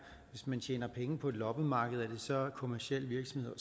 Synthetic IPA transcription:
ʋe̝smænt͡st͡ɕʰḛːnɐpʰeŋəpʰɒ̽e̝d̥lɒ̽b̥əmɑ̈ːɡ̥əð̞̩ˠæɐd̥e̝sɒ̽kʰo̝mæɐsiel̰ʋiɐɡ̥sɒ̽mhe̝ð̰ˠɐ

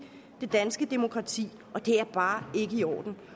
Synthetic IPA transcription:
d̥e̝d̥ænsɡ̥əd̥emo̝kʰʁɑ̈t͡sʰḭː | ʔɒ̽d̥e̝æɐb̥ɑ̈ːe̝ɡ̥əiɒ̰ːd̥n̩

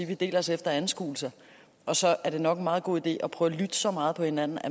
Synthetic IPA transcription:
iʋid̥e̝̰ːlɐɒ̽sefd̥ɐæn̩sɡ̥ṵːl̩sɐ | ʔɒ̽sɒ̽æɐɾ̥e̝nɒ̽ɡ̥en̩mɑ̈ːðˠɡ̥o̝̰ːid̥e̝̰ːɒ̽pʰʁœːʊlyd̥əsɒ̽mɑ̈ːð̩ˠpʰɒ̽he̝næn̰n̩æ

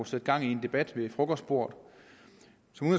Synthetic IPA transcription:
sed̥̚ɡ̥ɑ̈ŋ̰ie̝nd̥e̝b̥æd̥ʋe̝fʁɔ̽ɡ̥ɒsd̥b̥o̝ɐ̰d̥ | sɒ̽mun

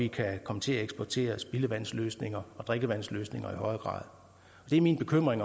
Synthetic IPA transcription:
ikʰækʰɒ̽mət͡sʰe̝læeɡsb̥ɒt͡sʰe̝̰ːɐsb̥iləʋæn̰sløːsne̝ŋɐɒ̽d̥ʁeɡ̥əʋæn̰sløːsne̝ŋɐihɒ̽ɪɐɡ̥ʁɑ̰̈ːð̞ˠ | ɒ̽d̥e̝æɐminb̥e̝kʰøm̰ʁeŋ

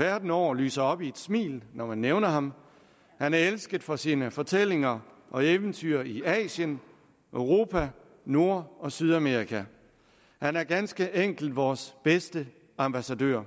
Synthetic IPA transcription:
ʋæɐd̥n̩ɒ̰ːly̰ːsɐɒ̽b̥ie̝d̥smḭːlnɒmænːeʊnɐɦɑ̈m | hænæɐelsɡ̥ð̩ˠfɒ̽siːnəfɒ̽t͡sʰel̰e̝ŋɐʔɒ̽eʋənt͡sʰyɐiɛ̰ːɕjən | ʔøʊʁo̝ːpʰæ | no̝ɐ̰ɒ̽syð̞ˠæme̝ːʁikʰæ | hænæɐɡ̥ænsɡ̥əʔeŋ̰ɡ̥l̩d̥ʋɒːsb̥esd̥ə | ɑ̈mb̥æsædø̰ɐ̰

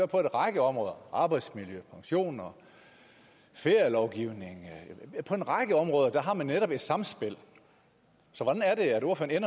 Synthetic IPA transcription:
øɐpʰɒ̽e̝nʁɑ̈ɡ̥əɒ̽mʁɔ̽ːð̞ˠɐʔɑ̈ːb̥ɑ̈ɪd̥smiljøpʰɑ̈ŋɕo̝̰ːnɐ | fe̝ɐjɐlɒʊɡ̥iʊne̝ŋpʰɒ̽e̝nʁɑ̈ɡ̥əɒ̽mʁɔ̽ːð̞ˠɐd̥æɦɑ̈mænːeɾɒ̽b̥e̝d̥sɑ̈mnsb̥e̝l̰ | sɒʋɒd̥ænæɐɾe̝ædo̝ɐføɐnenɐ

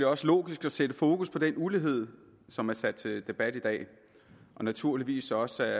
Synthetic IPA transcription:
leɒ̽səlo̝̰ːɡ̥isɡ̥æsed̥əfo̝ːkʰuspʰɒ̽d̥enuliɦe̝ð̞̰ˠ | sɒ̽mæɐsæd̥̚t͡sʰe̝d̥e̝b̥æd̥id̥ɛ̰ː | ʔɒ̽næt͡sʰuɐ̰liʋḭːsɒ̽sæ

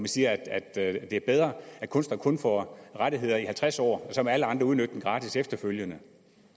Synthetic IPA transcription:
mænsiːɐæd̥æd̥d̥e̝æɐb̥eð̞ˠʁɐæ̥kʰɔ̽nsd̥ɐnkʰɔ̽nfɒʁɑɾiɦe̝ð̞̰ˠɐihælt͡sʰʁasɒ̰ːsɒ̽mæləɑ̈nd̥ʁɐuðˠnød̥d̥en̥ʁɑ̈ːdʰisefd̥ɐføljənə

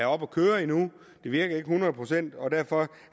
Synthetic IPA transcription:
æɒ̽b̥ɒkʰøːɐinu | d̥e̝ʋiɐɡ̥ɐe̝ɡ̥əhunʁɐð̩ˠpʰʁo̝sen̰d̥ɒ̽d̥æɐ̰fɒ̽

